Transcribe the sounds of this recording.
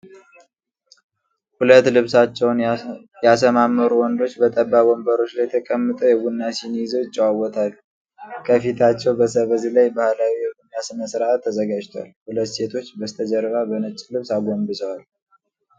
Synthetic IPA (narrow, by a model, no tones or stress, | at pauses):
hulət̪ːlɨβsat͡ʃːɛwn | jasəmamːəɾuwɔnd̪o̞t͡ʃːbət̪ʼəbːabombəɾo̞t͡ʃːlajt̪ʰəkʼəmːɨt̪ʼəwjɛɡunːasinizoɪt͡ʃʼːəwawɔt̪ʰal | kʰəfit̪ʰat͡ʃːɛwbəsəβəzilajbahlawijɛɡunːasɨnəsɨɾaat̪ʰːəzəɡad͡ʒt̪ʰoa̰lhulət̪ːse̞t̪ʰo̞t͡ʃːbəst̪ʰəd͡ʒəɾβabənɨt͡ʃʼːlɨβsaɡo̞mbɨzʼəwal